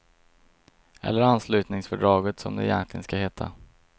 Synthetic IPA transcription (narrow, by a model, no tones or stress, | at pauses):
ʔɛ̰lːəɾanslʉ̟ːt̪nɪŋsfœɖɾɑːɡət̪sɔ̰md̪ɛ̰ɪjɛnklɪɡənskaheːt̪ʰa